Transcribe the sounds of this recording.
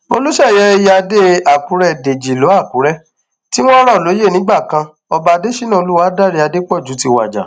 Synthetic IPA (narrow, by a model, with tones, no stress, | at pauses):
o˧lu˦ʃɛ˦˨jɛ˨˦e˧ja˧de˦a˦˨k͡pũ˨˦ɾɛ˦˨de˨d͡ʒi˨lo˨˦a˦˨k͡pũ˨˦ɾɛ˦˨ | ti˦w̃ɔ̃˦ɾɔ˦˨lo˨˦je˦˨nĩ˨˦ɡ͡ba˦˨kã˧ | ɔ˧ba˧de˦ʃi˦nã˦˨o˧lu˦wa˦da˦˨ɾi˧a˧de˦k͡pɔ˦˨d͡ʒu˨˦ti˧wa̰˨d͡ʒa̰˨